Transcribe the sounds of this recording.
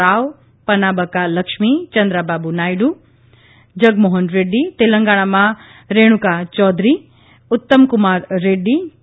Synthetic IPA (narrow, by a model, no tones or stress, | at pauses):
aːw | pɐnaːbəkalɐkʃmit͡ʃɐnd̪ɾabaːbunaːjɖu | d͡ʒɐɡmoɦənɾeːɖːit̪eləŋɡaːɽ̃amã | ɾeːɽ̃ukat͡ʃɔːd̪ɾi | ʊt̪ːəmkʊmaːɾːeːɖːi